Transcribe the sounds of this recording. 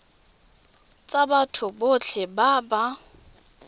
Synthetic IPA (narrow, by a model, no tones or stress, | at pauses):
t͡sʼabatʰʊbot͡ɬʰɛbaba